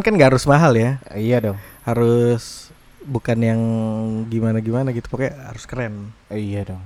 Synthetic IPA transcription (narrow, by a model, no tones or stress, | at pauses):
nkanɡaaɾʊsmaɦaljaijadɔŋhaɾʊs | bukanjaŋɡimanaɡimanaɡit̪u̥pakaha̰ɾʊ̥skəɾɛnijadɔŋ